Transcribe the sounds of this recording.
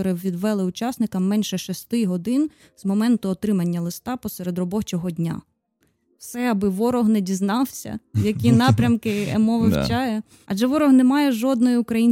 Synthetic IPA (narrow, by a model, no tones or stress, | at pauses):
ɔɾɪʋʲid̪ʋɛlˠɪʊt͡ʃɑsnɪkɐmːɛnʲʃɛʃɔst̪ɪɦɔd̪ɪn | z̥mɔmɛnt̪ʊɔt̪ɾɪmɐnʲːɐlˠɪst̪ɑpɔsɛɾed̪rɔbɔt͡ʃɔɦɔdʲnʲa̰ | wsɛɐbɪʋɔɾɔɦnɛdʲiznɑwsʲɐ̰jɐkʲinɑpɾʲɐmkɪemɔʋɪwt͡ʃɑjɛ | ɐ̰ʒɛʋɔɾɔhnemɑjɛʒɔd̪nɔjiʊkɾɐjinʲ